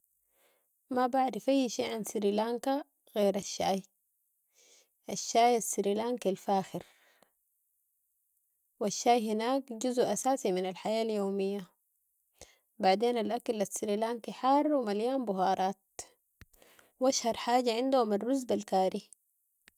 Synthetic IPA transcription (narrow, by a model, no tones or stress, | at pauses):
mabaʕɾɪfʔajːʃeːʕansiɾiːlaːŋka | ɣeːɾaʃːaːj | ʔaʃːaːjasːiɾiːlaːŋkilfaːxɪɾ | waʃːaːjɦinaːkɟuzʔʔasaːsiminalħajaːljoːmijːa | baʕd̪eːnalʔakalasːiɾiːlaːŋkiħɑrˤːwimaljaːnbʊɦɑːɾˤɑːt̪̚ | waʃhɑɾˤħaːɟaʕɪnd̪uhuminrːuzbalkaːɾi